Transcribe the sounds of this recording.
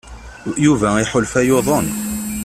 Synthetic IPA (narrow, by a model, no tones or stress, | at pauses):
juvæiħʊlfæjoðˤən